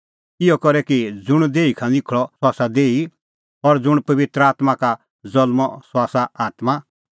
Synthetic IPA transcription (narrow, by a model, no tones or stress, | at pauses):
ɪjɔkɔɾɛkid͡zʊɽ̃d̪eːikʰãlɪkʰɭɔsaːsad̪eːi | ɔɾd͡zʊɽ̃pɐʋɪt̪ɾəaːt̪maka | zɐlmɔswaːsaaːt̪ma